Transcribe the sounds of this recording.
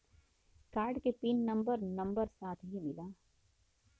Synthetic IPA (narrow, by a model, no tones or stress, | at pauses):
kaːɾɖkepiːnːɐ̃mbəɾnɐ̃mbəɾsaːt̪ʰɦimɪlaː